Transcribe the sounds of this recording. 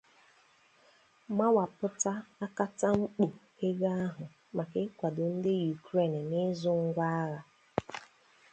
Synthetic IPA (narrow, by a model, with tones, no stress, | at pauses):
ma˦wa˨pʊ˦ta˦a˦ka˦ta˦ŋ͡m̩˦k͡po˨ke˦ɡa˦a˦ɦʊ˨ | ma˨kɪ˦kʷa˨dʊ˨n̩˦dɪ˦ju˨kɾe˦˨n˨nɪ˦zʊ˦ŋ̩˦ɡʷa˦a˦ɣa˨